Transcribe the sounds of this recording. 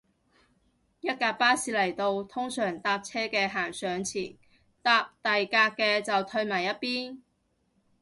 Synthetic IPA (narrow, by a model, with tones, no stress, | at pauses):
jɐ˥t̚kaː˧paː˥siː˧lɐ˨˩jt̪o˧wt̪ʰʊ˥ŋsœː˨˩ŋt̪aː˧p̚t͡sʰɛː˥kɛː˧ɦaː˨˩ŋsœː˨˧˥ŋt͡sʰiː˨˩ | t̪aː˧p̚t̪ɐ˨jkaː˧k̚kːɛː˧t͡sɐ˨wt̪ʰɵ˧ɥmaː˨˩jɐ˥t̚piː˥n